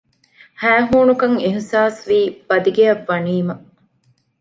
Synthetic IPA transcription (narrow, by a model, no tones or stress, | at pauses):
hæːɦuːnukɐŋiɦsaːsʋiːb̥ɐd̪iɡeɐʋːɐniːmɐ